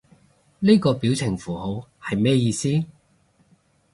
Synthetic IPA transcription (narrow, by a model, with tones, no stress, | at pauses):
ne˥kɔː˧piː˨˥wt͡sʰɪ˨˩ŋfuː˨˩ho˨˥whɐ˨jmɛː˥jiː˧siː˥